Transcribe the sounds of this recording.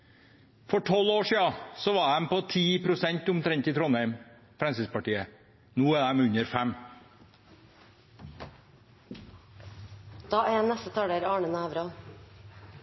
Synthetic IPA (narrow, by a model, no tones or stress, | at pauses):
fɔʈʰɔloːʂiːɑsɔʋɑd̪æɛmpoːt̪ʰiːpʰɾʊsɛɲt̪ʊmt̪ʰɾɛɲt̪iːt̪ʰɾɔnhæɪm | fɾɛnsɪspɑʈiːə | nuːæːd̪æmʉɲəɾfæm | d̪̥ɑːænɛst̪ət̪ʰɑɽəɾɑːɳənæːʋɾɑ